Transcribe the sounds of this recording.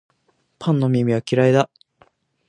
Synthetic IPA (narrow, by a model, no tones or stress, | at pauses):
pʰãnːo̞mʲimʲiβakʲiɾaid̪a